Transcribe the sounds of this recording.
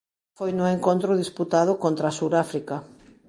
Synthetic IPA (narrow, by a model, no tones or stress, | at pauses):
fojnʊeŋkõnt̪ɾʊðisput̪að̞ʊkont̪ɾasuɾafɾikɐ